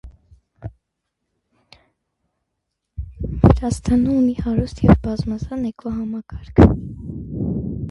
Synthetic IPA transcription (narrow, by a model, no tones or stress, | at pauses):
vəɾɑst̪ʰɑnumihɑɾust̪ʰjɛvbɑzmɑzɑnɛkʰɔɦɑmɑkɑɾkʰ